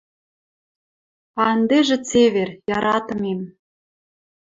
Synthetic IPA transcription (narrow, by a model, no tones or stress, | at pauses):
ɑənd̪eʒĕt͡seβerjɑɾɑt̪ɤ̆mem